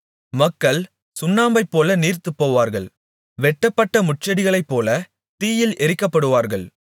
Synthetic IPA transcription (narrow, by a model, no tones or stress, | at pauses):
mɐkːɐɭ | sʊnːaːmbɐɪpːoːlɐniːɾt̪ɯpːoːʋaːɾɣɐɭ | ʋɛʈːɐpːɐʈːɐmʊʈ̚t͡ʃɐɽɪɣɐɭɐɪpːoːlɐ | t̪iːjɪlʔɛɾɯkːɐpːɐɽɯʋaːɾɣɐɭ